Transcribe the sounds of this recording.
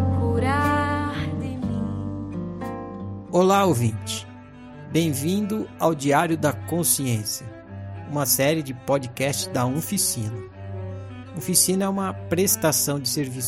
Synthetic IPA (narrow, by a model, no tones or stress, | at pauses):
kuɾa | d̪emĩ | olaovĩt͡ʃɪ̥ | bẽj̃vĩnd̪ʊawd͡ʒiaɾjʊd̪ɐkõsiẽsjɐ | ũmɐsɛɾɪd͡ʒɪpɔd͡ʒɪkɛst͡ʃɪzd̪ɐofisĩnɐ | ofisĩnɐɛũmɐpɾest̪asɐ̃w̃d͡ʒɪseɾvis